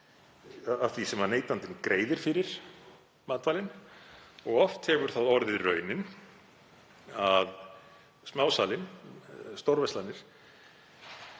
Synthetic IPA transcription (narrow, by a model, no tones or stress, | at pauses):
aaθvisɛmaneːjt̪ant̪ɪnkɾeːjðɪɾ̥fɪɾɪɾ̥ | maːt̪vaːlɪn | ɔɣɔft̪hɛvʏɾ̥θaðɔɾðɪðrœːɥnɪn | að | smaːwsaːlɪnst̪owɾvɛst̪lanːɪɾ̥